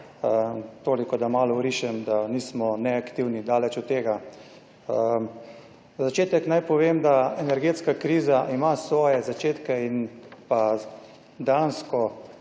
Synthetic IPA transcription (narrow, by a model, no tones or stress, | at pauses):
ət̪oːlikɔd̪amaːlɔwɾiʃɛmd̪aniːsmɔnɛakt̪iwnid̪aːlɛt͡ʃut̪ːeːɡa | ə | zat͡ʃeːt̪ɛknajpɔʋeːmd̪aɛnɛɾɡeːt̪skakɾiːzaʔimasʋɔːjɛzat͡ʃeːt̪kɛinpa | d̪anskɔ